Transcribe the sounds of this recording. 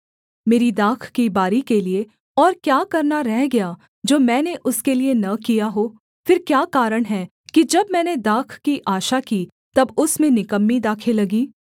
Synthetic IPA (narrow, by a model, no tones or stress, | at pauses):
meːɾid̪aːkʰkibaːɾikelie | ɔːɾkjaːkɐɾnaɾɛɦɡɐja | d͡ʒoːmɛ̃ːneʔʊskelienɐkijaɦoː | fɪɾkjaːkaːɾəɽ̃ɦɛ | kid͡ʒɐbmɛ̃ːned̪aːkʰkiʔaːʃakiː | t̪ɐbʊsmẽnɪkəmːid̪aːkʰelɐɡiː